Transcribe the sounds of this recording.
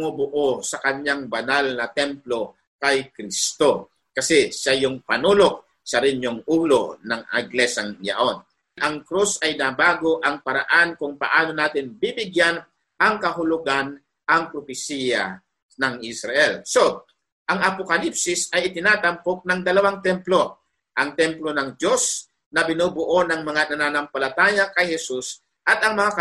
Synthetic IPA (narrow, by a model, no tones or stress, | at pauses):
ŋobʊʔosɐkɐɲjaŋbɐnalnɐt̪ɛmplo̞ | kɐjkɾist̪o̞ | kɐsɛʃajʊŋpɐnuːlok̚ | sɐɾɪnjoŋʔuːlo̞nɐŋɛɡlɛsɐŋjɐ̰ʔo̞n | ʔɐŋkɾusɐjnabaːɡo̞ʔɐŋpɐɾa̰ʔankʊŋpɐ̰ʔaːno̞naːt̪ɪnbibɪɡjan | ʔɐŋkɐɦʊlʊɡan | ʔɐŋpɾopɪsiːjɐ̰ | nɐŋʔisɾɐʔɛlso | ʔɐŋɐpokɐlipsɪsɐjʔɪt̪ɪnaːt̪ɐmpok̚nɐŋd̪ɐlɐwaŋt̪ɛmplo̞ | ʔɐŋt̪ɛmplo̞nɐŋd̪jo̞s | nɐbɪnuːbʊʔonɐŋmɐŋanɐnanɐmpɐlɐt̪aːjɐkɐjhɛsus | ʔɐt̪ɐŋmɐŋakɐ